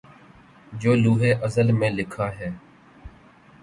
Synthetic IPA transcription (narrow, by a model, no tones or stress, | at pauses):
d͡ʒoːluːɦeːʔəzəlmẽːlɪkʰaːɦeː